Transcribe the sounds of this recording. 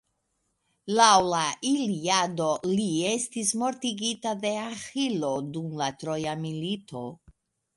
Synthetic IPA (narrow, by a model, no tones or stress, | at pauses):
lawlaʔiliado̞lie̞stismo̞ɾt̪iɡitade̞axilo̞dumlat̪ɾo̞jamilito̞